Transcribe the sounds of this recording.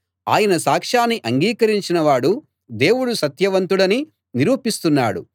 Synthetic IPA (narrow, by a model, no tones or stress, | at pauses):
a̰ːjɐnɐsaːkʂaːnːiʔɐŋɡiːkɐɾiɲt͡ʃinɐʋaːɽu | d̪e̞ːwuɽusɐt̪jɐʋɐnt̪uɽɐni | niɾuːpist̪unːaːɽṵ